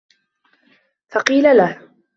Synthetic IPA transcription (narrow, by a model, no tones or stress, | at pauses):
fɑqiːlalah